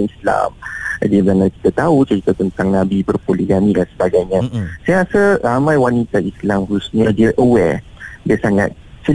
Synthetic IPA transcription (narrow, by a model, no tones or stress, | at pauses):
isla̰mdiəbanaki̥t̪at̪aut͡ʃəit̪at̪ənt̪aŋnãbibərpoliɡanĩdansəbaɡajɲãsajaasəramãjwanit̪aislamhususɲadiəʔəwɛ̰diəsaŋa̰t̪̚t͡ʃə